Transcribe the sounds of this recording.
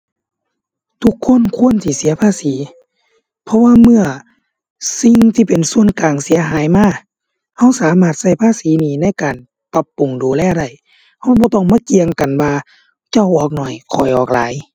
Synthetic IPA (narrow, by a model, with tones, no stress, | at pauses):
t̪ʰu˧kʰːo˧˥˨nkʰu˧˥˨ənt̪ʰiː˧˩si˨˦ɐpʰaː˧˥˨siː˨˦ | pʰɔ˧waː˧mɯ˧˨ɐ | si˧ŋt̪ʰiː˧˩pe˨nsu˧˨ənkaː˨˩ŋsi˨˦ɐɦaː˨˦jmaː˧˩˨ | ha˧˥˨wsaː˨˦maː˧˩t̪̚sa˧˩jpʰaː˧˥˨siː˨˦niː˧˩na˧˥˨jkaː˨˩n | pa˧˥pːu˨˩ŋduː˨˩lɛː˧˩˨wda˧˩j | ha˧˩wbɔː˧˦t̪ɔː˧˩ŋmaː˧˥˨ki˧˨əŋka˨nwaː˧ | t͡ɕa˧˩wʔɔː˧˩k̚nɔ˧˩jkʰɔ˨˩jʔɔː˨˩k̚la̰ː˨˦j